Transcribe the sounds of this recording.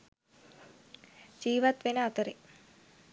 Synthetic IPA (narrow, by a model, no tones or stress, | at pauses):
d͡ʒiːʋat̪ʋenəɐt̪əɾe